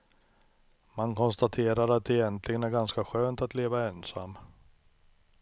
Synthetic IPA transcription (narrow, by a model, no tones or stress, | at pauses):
mankʰɔnst̪at̪ʰeːɾaɾat̪̚d̪ɛjɛnt̪ʰlɪɡənæɾɡanskaɧøːnt̪at̪leːvaɛnsa̰mː